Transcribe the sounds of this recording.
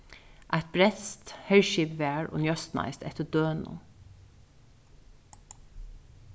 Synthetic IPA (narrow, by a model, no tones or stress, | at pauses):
ʔæt̪̚bɾɛt̪st̪hɛɹʃiːpʋæːɹo̰ːnjœst̪nɑ̰ɪst̪ɛ̰t̪əd̪̥øːnʊ̰